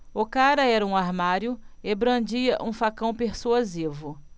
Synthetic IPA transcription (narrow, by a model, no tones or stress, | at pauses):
ʊkaɾɐɛɾɐũaɾmaɾjʊebɾɐ̃d͡ʒiɐʔũfakɐ̃w̃peɾsuazivʊ